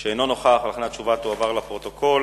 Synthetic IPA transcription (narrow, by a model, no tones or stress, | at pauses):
ʃeeno̞no̞χaχalχenatt͡ʃuvat̪oavaʁlapʁo̞t̪o̞kʰo̞l